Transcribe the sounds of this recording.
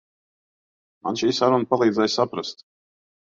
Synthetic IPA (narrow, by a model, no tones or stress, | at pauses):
ma̰nʃiːsaɾunpalˠiːd̪zɛjsapɾast̪